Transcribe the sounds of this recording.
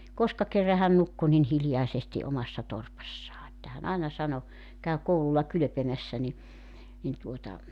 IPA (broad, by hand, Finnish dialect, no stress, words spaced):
koskɑ kerːɑ hæn nukːu nin hiljɑesesti omɑsːɑ torpɑsːɑː etːæ hæn ɑenɑ sɑno kæy koululːɑ kylø̆pemæsːæ ni nin tuotɑ